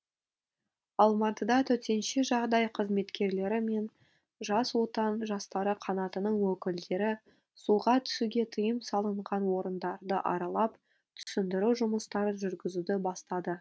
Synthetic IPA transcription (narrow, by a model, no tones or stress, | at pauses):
ɑlˠmɑt̪əd̪ɑt̪ʰɵt̪e̞nʃeʒɑʁd̪ɑjqʰəzme̞t̪kʲe̞ɾle̞ɾɪme̞n | ʒɑswo̞t̪ɑnʒɑst̪ɑɾəqʰɑnɑt̪ənəɴwɵkʲɪld̪e̞ɾɪ | suʁɑt̪ʰʏ̥suɡʲe̞t̪ʰəjəmsɑlˠəɴʁɑnwo̞ɾənd̪ɑɾd̪əʔɑ̰ɾɑlˠɑp | t̪ʰʏ̥sʏnd̪ɪɾuʒʊməst̪ɑɾəʒʏɾɡʲɪzud̪ɪbɑst̪ɑd̪ə